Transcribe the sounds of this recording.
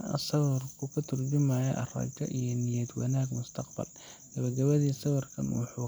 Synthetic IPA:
sɐwɐrkʰʊkʰɐt̪ʰʊrd͡ʒɪmaːjɐ̰ʔɐrɐ̰d͡ʒɐ̰ʔijɔnɪjɐd̪wɐnaːɡmʊst̪ʰɐqbɐ̰l | ɡ̥ɐβɐɡɐβɐðiːsɐwɐrkʰɐ̰nwɑħuː

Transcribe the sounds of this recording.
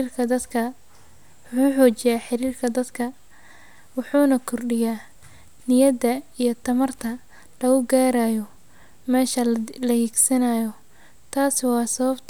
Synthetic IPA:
rkʰɐd̪ɐd̪kʰɐ | wħuːħɔːt͡ʃɪjaːħɪɾiːrkʰɐd̪ɐd̪kʰɐ | wʊħuːnɐkʰʊrɖɪjaː | nɪjɐd̪ɐijɞt̪ʰɐmɐrt̪ʰɐ | lɐʊɡaːɾaːjɔ | mɛːʃɐlɐhiɡsɐnaːjɔ | t̪ʰaːswɑːsɐβɐbt̪ʰ

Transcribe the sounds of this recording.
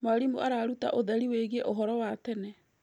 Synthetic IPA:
maɾimuʔaɾaːɾuta̰ʔoðɛɾiweɣeʔoɦɔɾɔwatɛnɛ

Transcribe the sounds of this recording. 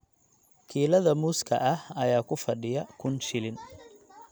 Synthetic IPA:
kʰiːlɐðɐmuːskʰɐ̰ʔɐhɐjaːkʰʊfɐɖɪjɐkʰʊnʃɪlɪn

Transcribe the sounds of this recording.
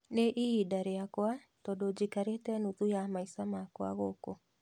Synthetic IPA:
neʔiidaɾeakwa | tɔdod͡ʑikaɾetɛnuðujamaisamakwa̰ɣoko

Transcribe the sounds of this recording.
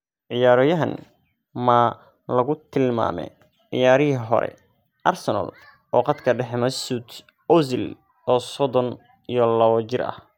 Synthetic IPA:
ʕɪjaːɾɔːjɐɦɐn | mɐ | lɐɣʊt̪ʰɪlma̰ːmɛ̰ | ʕɪ̰jaːɾɪɦiɦɔ̰ɾɛ̰ | ʔɐrsɔnɐ̰l | ʔɔːqɑt̪kʰɐɖɛħɛmɐsut̪ | ɔzɪl | ɔːsɔðɔn | ijɔlɐβɐt͡ʃɪrɐ̰h

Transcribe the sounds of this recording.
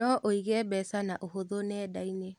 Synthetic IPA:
ɔʔoiɣɛbɛsanaʔoɦoðonɛːdaine

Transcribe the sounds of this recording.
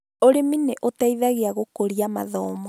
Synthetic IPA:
oɾemineʔotaiðaɣeaɣokoɾiama̰ðɔːmɔ

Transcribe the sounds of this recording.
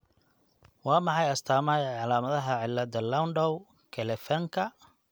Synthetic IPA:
wɑːmɑħɑjɐst̪ʰaːmaːjɐʕɑlaːmɐðɐɦɐʕɪlːɐd̪ɐlɐwnɖɔw | kʰɛlɛfɐŋkʰɐ

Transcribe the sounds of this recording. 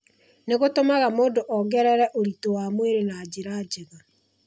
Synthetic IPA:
neɣotomaɣamoːndoʔɔɣɛɾɛɾɛʔoɾitowaːmweɾenad͡ʑeɾaːd͡ʒeɣa

